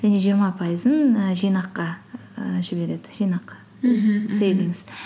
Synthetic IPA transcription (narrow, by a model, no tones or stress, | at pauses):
ʒæne̞ʒijəɾmɑpʰɑjəzənəʒijnɑqːɑ | ʒɪbe̞ɾe̞d̪ɪʒijnɑqːɑ̥ | sejviŋɪz̥